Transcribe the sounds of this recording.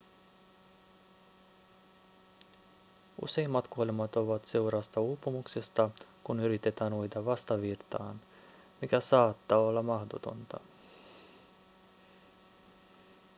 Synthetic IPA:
ṵse̞imːɑt̪kuolemɑt̪o̞ʋɑt̪se̞uɾɑːst̪ɑuːpːumukse̞st̪ɑkunyɾit̪e̞t̪æːnujt̪ɑʋɑst̪ɑʋirt̪ɑ̰ːn | mik̟æsɑːt̪ːɑːolːɑmɑhdot̪o̞̰nt̪ɑ̰

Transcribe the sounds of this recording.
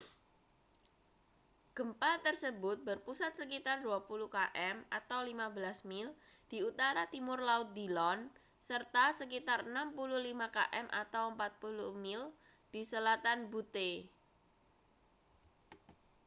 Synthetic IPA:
ɡ̥əmpat̪ərsəbʊt̪̚bərpusat̪̚səkit̪arduapuluhkaʔɛmat̪awlimabəlasmɪl | d̥iut̪aɾat̪imʊrlaʊt̪̚dilɔn | sərt̪asəkit̪arənampuluhlimaka̰ʔɛmʔa̰t̪awəmpat̪̚puluhmɪl | d̥isəlat̪anbut̪e

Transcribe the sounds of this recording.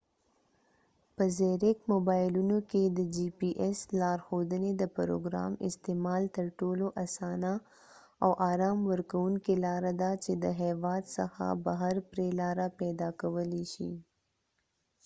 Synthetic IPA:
pəzeɾɪkmobɑjɪlunoked̪əd͡ʒipiʔeslɑɾxod̪əned̪əpɾo̰ɡɾɑ̰mɪ̰st̪emɑlt̪əɾʈoloʔasɑna | awʔɑɾɑmwəɾkawuŋkelɑɾad̪at͡ʃed̪əɦɛwɑd̪sə̰xa̰baɦaɾpɾelɑɾapɛd̪ɑkawəleʃḭ

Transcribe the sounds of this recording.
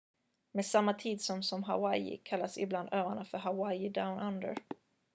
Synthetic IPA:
meːsamːat̪ʰiːd̪sɔmsɔmɦa̰wajɪ̰kʰalːasɪbland̪øːvaɳafœɾɦawajɪd̪aʊnʔand̪ə̰ɾ

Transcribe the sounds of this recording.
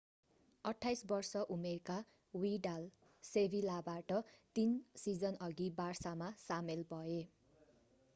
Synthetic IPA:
ʌʈʰːajsbʌrsʌʔumerka | wiɖal | sebʱilabaʈʌt̪insid͡zʌnʌɡibarsamasamelbʱʌe

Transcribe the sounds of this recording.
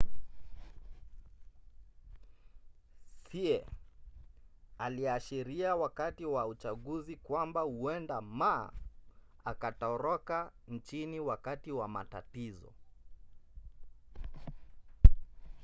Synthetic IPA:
siɛ | aliaʃiɾiawakatiwaut͡ʃaɠuzikwambahuɛndama̰ː | akatɔɾɔkan̩t͡ʃiniwakatiwama̰ta̰tizɔ̰

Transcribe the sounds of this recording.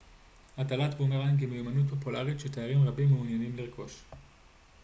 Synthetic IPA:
ʔatalat̪bumeʁankimejumanut̪̚po̞pulaʁitʃet̪ajaʁimʁabimːeunjanimliʁkʰo̞ʃ

